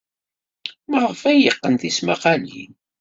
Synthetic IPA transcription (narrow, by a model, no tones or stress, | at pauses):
məʁəfæjəqːənθismaqɑlḭn